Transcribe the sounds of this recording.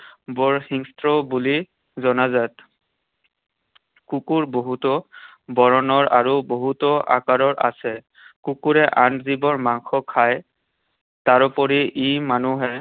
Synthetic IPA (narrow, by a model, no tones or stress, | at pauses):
bɔɹxiŋstɹɔbuli | zɔnazat | kukuɹboɦutɔ | bɔɹɔnɔɹʔaɹuboɦutɔʔa̰kaɹɔɹʔa̰sɛ | kukuɹɛʔanzibɔɹmaŋxɔkʰaj | taɹɔpɔɹiʔimanuɦɛ